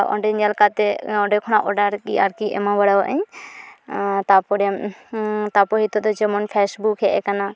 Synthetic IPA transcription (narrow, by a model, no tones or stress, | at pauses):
ʔɔ̰ɖɛɲɛlkat̪ɛɔ̃ɖɛkʰɔnaʔɔɖaɾkia̰ɾkiʔɛ̰mabəɽawaʔəɲ | t̪apɔɾɛm | t̪apɔɦit̪ɔd̪ɔd͡ʒɛmɔnpʰɛsbukɦɛʔɛkana